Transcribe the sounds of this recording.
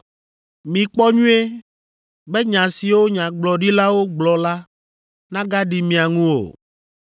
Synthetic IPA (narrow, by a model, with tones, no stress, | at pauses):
mĩ˨k͡pɔ˦ɲũ˦e˦ | be˦ɲã˨si˨wo˦ɲã˨ɡ͡blɔ˨ɖi˦la˦wo˦ɡ͡blɔ˨la˦ | nã˦ɡa˦ɖi˨mĩ˨a˨ŋũ˦o̰˨